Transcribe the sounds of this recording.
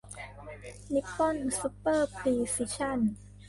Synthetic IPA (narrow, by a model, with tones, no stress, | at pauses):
li˦˥kːɔ˥˨nsu˧˦˥pːɤː˥˩pʰɾiː˧si˧˥t͡ɕʰa˥˩˨n